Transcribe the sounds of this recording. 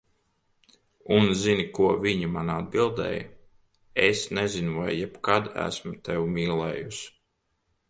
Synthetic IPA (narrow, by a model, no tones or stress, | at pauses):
unzinikuɔviɲimanad̪̚bilˠd̪ɛ̰ːj | esnɛzinuvajːɛpkad̪æ̰smut̪ɛwmiːlˠɛːjus